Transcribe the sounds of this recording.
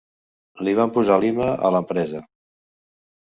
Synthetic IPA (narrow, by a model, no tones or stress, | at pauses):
liβ̞ampuzaliməə̰ləmpɾɛzə